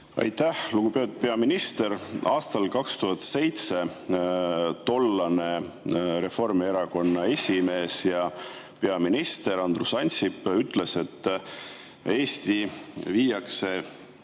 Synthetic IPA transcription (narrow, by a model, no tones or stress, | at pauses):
ɑ̰jt̪ːˑæhluɡ̥upeot̪̚pe̞ɑminist̪e̞ɾɑːst̪ɑlkɑkst̪uɦɑt̪se̞jt̪se̞ | t̪o̞lːɑne̞ | ɾe̞fo̞rmieɾɑko̞nːɑe̞sʲime̞ːsjɑ | pe̞ɑminist̪e̞ɾɑnd̪rusɑnʲsipːyt̪ːˑle̞se̞t̪ː | e̞ːst̪iviːjɑkse̞